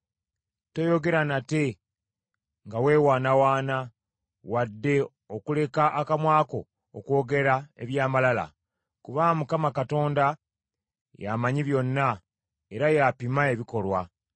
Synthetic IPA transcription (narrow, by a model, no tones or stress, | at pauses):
to̞jo̞ɡe̞ɾanate̞ | ŋɡawe̞ːwaːnawaːna | wadːe̞ | okule̞kaʔakamwaːko̞ː | kwo̞ːɡe̞ɾae̞̰βjaːmalala̰ | kuβamukamakato̞ːnda | jamaɲiβjo̞nːa | e̞ɾajapimae̞βiko̞lwa